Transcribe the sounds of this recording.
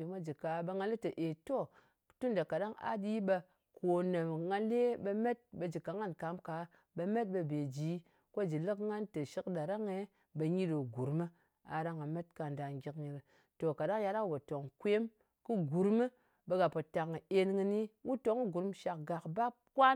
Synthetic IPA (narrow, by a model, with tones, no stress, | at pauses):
i˨mʷa˦d͡ʒi˨ka˨ɓə˧ŋa˧li˦tə˨ʔe˨to˦˨ | tu˦n˨da˨ka˨da˦ŋa̰˦di˦ɓə˧ | ko˨nə˨mŋa˧le˦ɓə˧me˦t̚ɓə˧d͡ʒi˨ka˨˦ŋa˦˨nka˨˦mka˨˦ | bə˧me˦t̚ɓə˧be˨d͡ʒi˨˦ | ko˦d͡ʒi˨lɨ˦kŋa˦ntə˨ʃi˦kɗa˨ɾa˦ŋe˨ | ɓə˧ɲi˦ɾɨ˨ɡu˨ɾmɨ˦ | a̰˨ɾa˦ŋa˨me˦t̚ka˨nda˨ŋ˦ɡʲi˦kɲi˨ɾ | to˨ka˨ɗa˦ŋja˦ɾa˦˨bo˨to˨ŋkʷe˦m | kɨ˦ɡu˨ɾmɨ˦ | bə˧ɡa˨po˨ta˨ŋ˨e˦nŋɨ˧ni˦wu˦to˦ŋ˦ɡu˨ɾmʃa˨k̚ɡa˨kba˦ | kʷa˦